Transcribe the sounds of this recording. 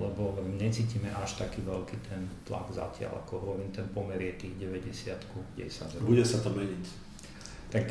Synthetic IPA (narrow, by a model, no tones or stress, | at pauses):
lɛbɔɲɛt͡siːciːmɛʔaʃt̪akiːʋɛlkit̪ʰɛnt̪la̰ɡza̰cɪa̰la̰kɔɾɔʋint̪ɛnpɔmɛɾɪɛt̪iːɣɟɛʋɛɟɛsɪat̪kuɡɟɛ̰jsazbuɟɛsat̪ɔmɛɲic | t̪ak